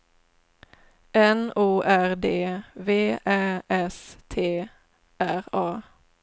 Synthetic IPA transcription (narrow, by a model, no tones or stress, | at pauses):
ɛnuːʔæʁd̪eːʋeːʔæːʔɛst̪ʰeː | æʁɑː